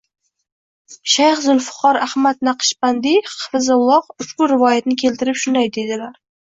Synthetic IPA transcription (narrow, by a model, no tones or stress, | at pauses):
ʃajχzʊlfʊ̥qʰɒɾahmat̪̚naqʰɨ̥ʃpand̪ɪχfɪzalˠɒqʊʃbʊɾɪvɒjat̪nɪkʲʰe̞lt̪ʰɪɾɪpʃʊnd̪ajd̪e̞d̪ɪlaɾ